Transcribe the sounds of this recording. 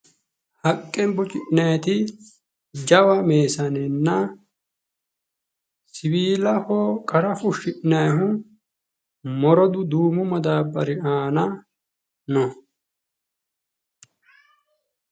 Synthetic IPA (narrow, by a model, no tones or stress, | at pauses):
hɐkʼːɛmbʊt͡ʃʼɪʔnɐjt̪ɪ | d͡ʒɐwɐmeːsɐnɛnːɐ | sɪwiːlɐhoːkʼɐɾɐfʊʃɪʔnɐjɦʊ | mɔɾɔd̪ʊd̪uːmʊmɐd̪aːbːɐɾɪʔaːnɐ | nɔ